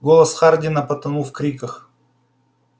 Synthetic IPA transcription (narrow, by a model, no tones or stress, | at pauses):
ɡolˠɐsχardʲɪnɐpɐt̪ɐnufkɾʲikəx